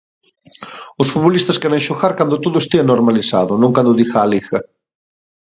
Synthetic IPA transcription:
ʊsfut̪βolist̪ɐskɛɾeŋʃoɣaɾkand̪ʊt̪oðʊest̪iɐnoɾmalisa̰ðʊnõŋkand̪ʊðixaːlixɐ

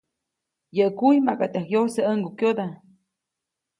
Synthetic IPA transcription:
jəʔkujmakat̪akjosəəŋɡukjod̪a

